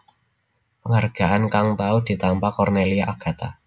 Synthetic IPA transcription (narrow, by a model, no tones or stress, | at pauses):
pəŋarɡ̥a̤ʔankaŋt̪aud̥i̤t̪ampakɔrneliaʔaɡ̥a̤t̪a̰